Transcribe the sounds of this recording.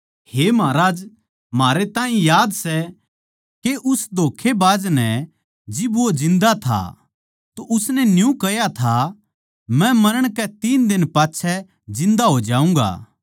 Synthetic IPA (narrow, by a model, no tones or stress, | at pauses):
heːmaːɾaːd͡ʒ | maːɾet̪aːĩjaːd̪sɛ | keʔʊsd̪ʱoːkʰebaːd͡ʒnɛ | d͡ʒɪbʋod͡ʒɪ̃nd̪at̪ʰa̰ | t̪oʔʊsnɛnjũkɐjat̪ʰa | mɛ̃mɐɾəɽ̃kɛt̪iːnd̪ɪnpaːtːʃʰɛ | d͡ʒɪ̃nd̪aɦod͡ʒaːũːɡa̰ː